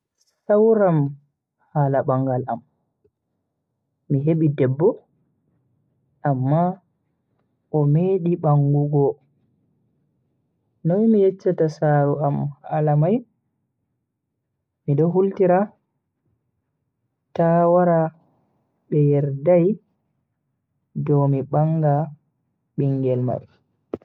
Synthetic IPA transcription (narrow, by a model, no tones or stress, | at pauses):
sawɾam | haːlaɓaŋɡalam | miɦeɓidɛbːɔ | ʔamːa | ʔɔmeːɗiɓaŋɡuɡɔ | nɔnmijɛt͡ʃːatasaːɾuamalamaj | miɗɔɦultiɾa | tawaɾa | ɓɛjɛɾdaj | dɔmiɓaŋɡa | ɓiŋɡɛlma̰ɾ